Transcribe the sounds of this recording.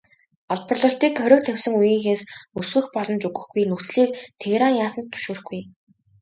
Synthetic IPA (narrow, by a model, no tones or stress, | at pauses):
ɔɮpɞ̆rɮɞ̆ɬt̪iːkχœɾʲɵ̆k̚t̪ʰæwʲsɘ̆ŋujiːŋxeːsɵsɡɵ̆xpɔɮɞ̆nt͡ɕɵɣɘ̆xɡ̥ujnut͡sɮiːk̚t̪ʰeɣɾaːnjaːsə̆nt̪ʰːu̥ʃuːrxɡ̥uj